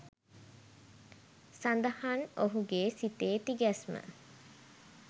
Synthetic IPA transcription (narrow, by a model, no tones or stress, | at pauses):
sand̪əhanoɦuɡeːsit̪eːt̪iɡɛsmə̰